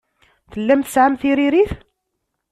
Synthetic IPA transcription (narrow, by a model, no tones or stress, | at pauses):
θəlːæmθə̥sʕamθiɾiɾiθ